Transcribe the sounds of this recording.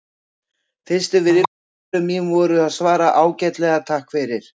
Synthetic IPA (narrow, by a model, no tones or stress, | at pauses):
θɪ̥st̪ɪvɪðɪ | ʏmːimvɔːɾʏaðsvaːɾaʔaːwcɛt̪lɛɣat̪ʰahkfɛɾɪɾ̥